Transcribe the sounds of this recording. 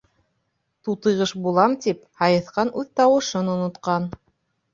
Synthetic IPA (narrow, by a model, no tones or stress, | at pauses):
t̪ut̪ɤ̆jʁɤʃbulˠɑmt̪iphɑjɤ̆θqɑnʔʉðt̪ɑwɤ̆ʃɤnŏnŏt̪qɑn